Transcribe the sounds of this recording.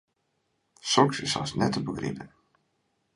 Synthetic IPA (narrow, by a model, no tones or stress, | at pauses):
sɔksɪsɑ̰snɛtəbəɡrɪ̰pən